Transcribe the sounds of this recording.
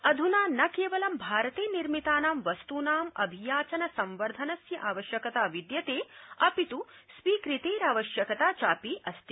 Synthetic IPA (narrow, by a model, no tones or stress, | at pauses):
ɐd̪ʱunaːnɐkeːʋɐlɐmbʱaːɾɐt̪eːniɾmit̪aːnaːmʋɐst̪uːnaːmɐ̰bʱijaːt͡ʃɐnɐsɐ̃mʋɐɾd̪ʱɐnɐsjɐʔaːʋɐʃjɐkɐt̪aːʋid̪jɐt̪eːɐpit̪usʋiːkɾit̪eːɾaːʋɐʃjɐkɐt̪aːt͡ʃaːpiʔɐst̪i